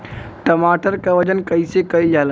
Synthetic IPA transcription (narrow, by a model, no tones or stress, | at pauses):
ʈəmaːʈəɾkaʋɐd͡ʒənkɐisekɐid͡ʒaːl